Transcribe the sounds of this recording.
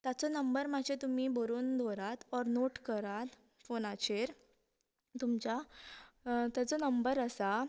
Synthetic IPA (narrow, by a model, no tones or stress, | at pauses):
t̪jat͡sɔnəmbəɾmad͡ʑet̪umiːbəɾuːnd̪ʱoɾat̪ɔɾnoʈkəɾat̪ | fonat͡ɕeɾ | t̪umt͡ɕa | t̪jat͡sɔnəmbəɾəsa